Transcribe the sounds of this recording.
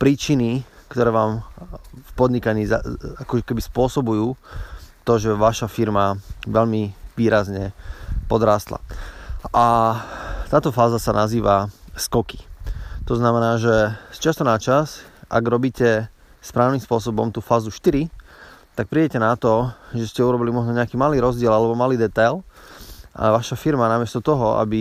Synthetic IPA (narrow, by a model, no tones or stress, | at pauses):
pɾiːt͡ʃinikt̪ɔɾɛːʋaːm | fpɔd̪ɲikaɲiːzaakɔkɛbispʊɔsɔbujuːt̪ɔʒɛʋaʃafiɾmaʋɛʎmiʋiːɾazɲɛpɔd̪ɾaːst̪la̰ʔa | t̪aːt̪ɔfaːzasanaziːʋaskɔki̥t̪ɔznamɛnaːʒɛst͡ʃɪast̪ɔnat͡ʃasʔa̰ɡɾɔbiːcɛ | spɾaːʊniːmspʊɔs̬ɔbɔmt̪uːfaːzuʃt̪iɾit̪ak̚pɾiːɟɛcɛnat̪ɔʒɛscɛuɾɔbilimɔʒnɔɲɛakiːmaliːɾɔzɟɪɛlalɛbɔmaliːd̪ɛt̪ajl | ʔa̰ʋaʃafiɾmanamɪɛst̪ɔt̪ɔɦɔʔa̰bi